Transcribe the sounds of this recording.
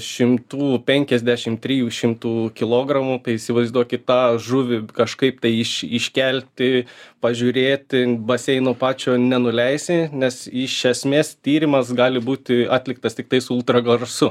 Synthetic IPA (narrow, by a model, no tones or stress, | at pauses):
ʃʲɪmt̪uːpʲɛŋʲkʲɛzʲd̪ʲæʃʲɪmt̪ʲɾʲiːjuːʃʲɪmt̪uːkʲɪlˠoːɡɾɐmuːt̪ɐɪɪsʲɪʋɐɪzʲd̪uɔkʲɪt̪ɑːʒʊʋʲɪkɐʃkɐɪp̚t̪ɐɪɪʃɪʃʲkʲɛlʲt̪ʲɪpɐʒʲʊɾʲeːt̪ʲɪbɐsʲɛɪnoːpɑːt͡ʃʲoːnʲɛnʊlʲɛɪsʲɪnʲɛsɪʃʲɛsʲmʲeːst̪ʲiːɾʲɪmɐsɡɑːlʲɪbuːt̪ʲɪɑːt̪ʲlʲɪk̚t̪ɐst̪ʲɪk̚t̪ɐɪsʊʊlˠt̪ɾɐɡˠɐrsʊ